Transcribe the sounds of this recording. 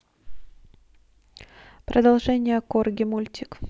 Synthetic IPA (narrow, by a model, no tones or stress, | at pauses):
pɾəd̪ɐlˠʐɛnʲɪjəkorɡʲɪmulʲtʲɪk